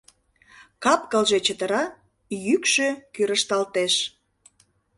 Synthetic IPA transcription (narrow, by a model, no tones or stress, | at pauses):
kɑpkəlʒet͡ɕət̪əɾɑ | jykʃøkyɾəʃt̪ɑlt̪eʃ